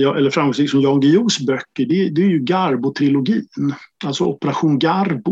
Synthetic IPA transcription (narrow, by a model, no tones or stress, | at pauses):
ɑʔɛlːəɾfɾamɡɔŋsɪksɔmjɑŋɡɪuːsbœkːəɖɛd̪ɛæɾjɵɡaɾbʊt̪ʰɾɪlʊɡiːnalt̪sɔɔpːəɾaɧuːnɡaɾbʊ